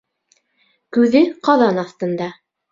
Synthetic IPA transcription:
kʉðɘqɑðɑnɑθt̪ɤ̆nd̪ɑ

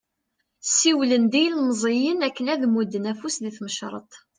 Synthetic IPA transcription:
sːiwlənd̪ijlməzˤijənækːənæðmud̪ːənæfusðiθməʃɾˤə̰t̪ˤ

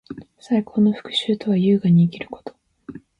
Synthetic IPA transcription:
saikʰo̞ːno̞ɸɯ̟̥kɯ̟̥ɕɨːt̪o̞βajɯ̟ːɡaɲ̟iːkʲiɾɯ̟̥ko̞̥t̪ʰo̥

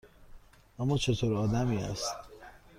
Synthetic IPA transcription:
ɒmɒːt͡ʃʰet̪ʰoɾɒːd̪æmiːæ̰st̪

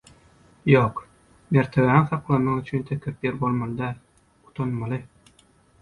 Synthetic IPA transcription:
joːq | meɾt̪ʰeβæiŋθɑqlˠɑnmːɑʁyt͡ʃʰynt̪ʰekʰæpjeɾbo̞lˠmɑlˠɯd̪æːl | u̥t̪ʰonmɑlˠɯ

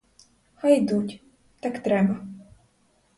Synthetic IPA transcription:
hajd̪utʲ | t̪akt̪ɾɛbɐ

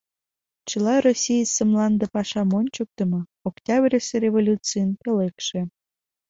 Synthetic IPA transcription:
t͡ɕəlɑrosʲijsəmlɑnd̪epɑʃɑmonʲt͡ɕək̚t̪ə̆mɤ̆oktʲɑbrʲeserʲevolʲut͡sɨjənpelekʃe

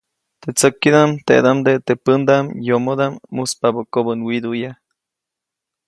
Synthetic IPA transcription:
t̪et͡səkːid̪amt̪ḛʔd̪amd̪et̪epənd̪amjomod̪amːuspabokobənwid̪uja

